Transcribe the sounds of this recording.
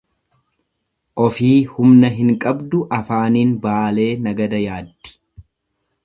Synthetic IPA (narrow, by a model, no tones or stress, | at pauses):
ʔɔfiːhʊmnɐɦɪŋkʼɐbd̪ʊʔɐfaːniːnbaːle̞ːnɐɡɐd̪ɐjaːd̪ːɪ̥